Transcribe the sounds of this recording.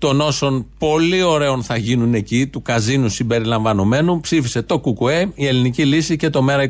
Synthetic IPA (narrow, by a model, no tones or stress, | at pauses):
t̪o̞no̞so̞npo̞lio̞ɾe̞o̞nθɐʝinune̞cit̪ukɐzinusimbe̞ɾilɐɱvɐno̞me̞nupsifise̞t̪o̞kukueie̞linicilisice̞t̪o̞me̞ɾɐi